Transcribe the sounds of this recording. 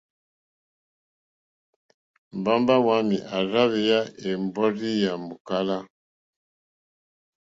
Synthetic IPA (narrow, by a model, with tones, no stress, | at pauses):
m˨ba˦mba˦wa˦mi˨ʔa˨ɾa˦βɛ˨ja˦e˨mbɔ˦ɾi˦ja˨mu˨ka˦la˦